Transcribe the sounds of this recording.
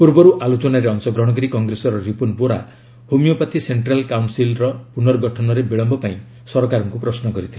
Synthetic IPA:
puɾbɔɾuʔalot͡ʃɔnaɾeɔŋsɔɡɾɔɽ̃ɔkɔɾikɔŋɡɾesɔɾɔɾipunpoɾa̰ | humijɔpat̪ʰiseɳʈɾalkawnsilɾɔpunɔɾɡɔʈʰɔnɔɾebiɭɔmbɔpaĩ | sɔɾɔkaɾɔŋkupɾɔsnɔkɔɾit̪ʰilee

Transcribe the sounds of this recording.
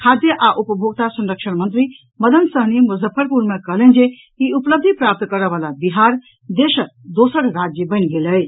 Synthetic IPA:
kʰad̪jʌʔaʔupəbʱoɡ̚t̪asɐnɾəkʃʰənmʌnt̪ɾi | mʌd̪ənsʌɦnimuzəpʰːəɾpuɾmʌkʌlend͡ʒe | iupləb̚d̪ʱipɾap̚t̪kʌɾʌβalabiɦaɾ | d̪esəd̪osəɾɾad͡zjəbənɡelʌj

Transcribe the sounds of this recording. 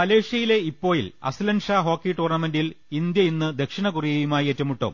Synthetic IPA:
mɐleːʂjɐjile̞ipːo̞ːjilɐ̰silɐnʂaːɦo̞ːkːiʈuːrnɐme̞ndil | ind̪jɐinːɨd̪e̞kʂiɳɐkurijɐjumaːjetːɐmuʈːo̰m

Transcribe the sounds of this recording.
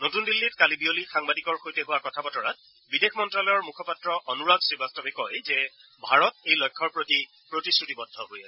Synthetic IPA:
notundilːitkalibiolixaŋbadikɔɹxojtɛɦʊwakɔtʰabɔtɔɹat̚ | bidexmɔntɹalɔjɔɹmukʰɔpatɹɔʔɔnuɹadsɹibʱastɔbɛkɔjzɛ | bʱaɹɔtejlɔjkʰːɔɹpɹoti | pɹotisɹutibɔdʱːɔɦojasɛ

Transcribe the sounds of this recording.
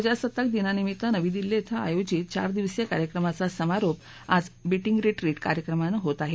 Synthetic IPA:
d͡ʑasət̪ːək̚d̪inanimit̪lənəʋĩːd̪ilːet̪ʰəa̰jod͡ʑit̪̚t͡ɕa̰ɾd̪iʋsjakaɾjəkɾəmat͡sasəmaɾop | ad͡zbiʈiŋɡɾeʈɾiʈka̰ɾjəkɾəmanəɦot̪aɦe

